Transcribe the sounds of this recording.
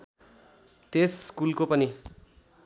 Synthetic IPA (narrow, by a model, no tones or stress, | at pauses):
t̪eskulkopʌni